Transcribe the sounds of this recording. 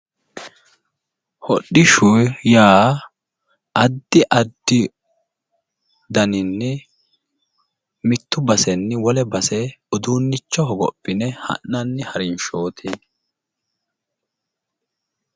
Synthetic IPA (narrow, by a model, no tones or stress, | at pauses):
hɔɗːɪʃʊjjaː | ʔɐd̪ːɪʔɐd̪ːɪ | d̪ɐnɪnːɛ | mɪt̪ːʊbɐsɛnːɪwɔlɛbɐsɛʊd̪uːnːɪt͡ʃːɔɦɔɡɔ̰pʼːɪnɛhɐ̰nːɐnːɪhɐɾɪnʃoːt̪ʰeː